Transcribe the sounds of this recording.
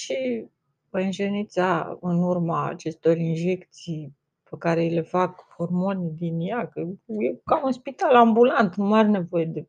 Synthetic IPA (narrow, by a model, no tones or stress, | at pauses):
ʃi | ənʒenit̪saɨ̰nurma̰ːt͡ʃe̞st̪o̞rinʒe̞kt̪sij | pekaɾe̞ile̞fakhormo̞nid̪injakəjekaunspit̪alambulant̪numaɾene̞vo̞je̞d̪e̞